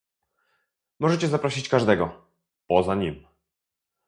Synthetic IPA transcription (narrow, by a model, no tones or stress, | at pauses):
mɔʐɛt͡ɕɛzapɾɔɕit͡ɕkaʐd̪ɛɡɔ | pɔzaɲim